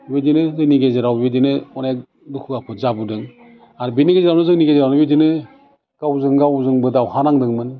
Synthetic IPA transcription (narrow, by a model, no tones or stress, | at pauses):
bidinɯzɯŋniɡezɾawbedinɯɔnek | dukʰuɡapʰɯzabudɯŋ | aɾbiniɡezeɾawnɯzɯŋniɡezɾawnɯbidinɯ | ɡ̥awzɯŋɡawzɯŋbɯdawhanaŋdɯŋmɯn